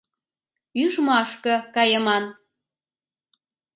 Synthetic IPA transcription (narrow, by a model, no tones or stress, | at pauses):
yʒmɑʃkɤ̆kɑjəmɑn